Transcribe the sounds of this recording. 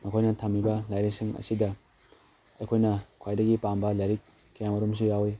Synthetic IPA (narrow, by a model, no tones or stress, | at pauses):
mɐkʰojnɐtʰɐmːibɐlajɾisiŋɐ̰sidɐ | ɐjkʰojnɐkʰwajdɐɡipambɐlɐɾikː | ɐjamɐɾums̬ijawi